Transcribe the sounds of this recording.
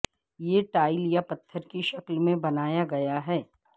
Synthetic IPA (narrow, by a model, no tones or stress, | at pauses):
jeʈaːɪljapɐt̪ʰːəɾkiʃɐklmẽbɐnaːjaɡɐjaɦɛː